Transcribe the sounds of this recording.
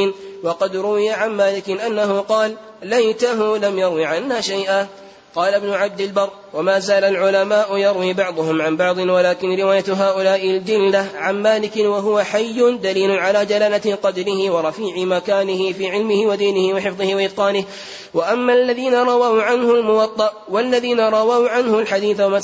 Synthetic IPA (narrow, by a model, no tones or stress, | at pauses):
nwɑqɑd̪ɾʊwɪjaʕanmaːlɪkɪnʔanːaɦʊqɑːlː | ajt̪aɦʊlamjɑɾwiʕanːaːʃajʔaː | qɑːlabnʊʕab̚d̪ɪlbɑrˤː | wamaːzaːlalʕʊlamaːʔʊjɑɾˤwiːbɑʕd̪ˤʊhʊmʕanbɑʕd̪ˤɨnwalaːkɪnɾɪwaːjat̪ɦaːʔʊlaːʔɪld͡ʒɪlːaʕanmaːlɪkɪnwaɦʊwaħajːʊnd̪aliːlʊnʕalaːd͡ʒalaːlaqɑd̪ɾɪhɪwɑɾˤɑfiːʕɪmakaːnɪhɪfiːʕɪlmɪhɪwad̪iːnɪhɪwɑħɪfðˤɨhɪwaʔɪd̪̚qɑːnɪh | waʔamːaːalːaðiːnaɾˤɑwawʕanhʊlmʊwɑt̪ˤːɑʔ | walːaðiːnaɾˤɑwawʕanhʊlħad̪iːθawama